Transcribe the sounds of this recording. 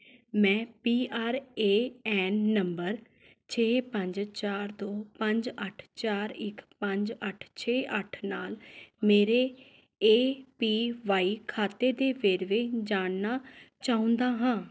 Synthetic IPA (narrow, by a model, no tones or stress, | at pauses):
mɛ̃ːpiːaːɾeːɛːnːəmbəɾ | t͡ʃʰeːpə̃ɲd͡ʒt͡ʃaːɾd̪oːpəɲd͡ʒəʈʰt͡ʃaːɾɪkpəɲd͡ʒəʈʰt͡ʃʰeːʔəʈʰnaːlmeːɾeː | eːpiːʋaːiːkʰaːt̪eːd̪eːʋeːɾʋeːd͡ʒaːnnaːt͡ʃaːʊ̃nd̪aːɦãː